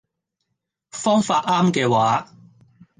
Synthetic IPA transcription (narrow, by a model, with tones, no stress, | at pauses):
fɔː˥ŋfaː˧t̚aː˥mkɛː˧waː˨˥˦